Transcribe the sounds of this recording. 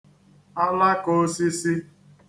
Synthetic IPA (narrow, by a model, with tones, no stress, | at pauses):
a˦la˦ko˦si˦si˦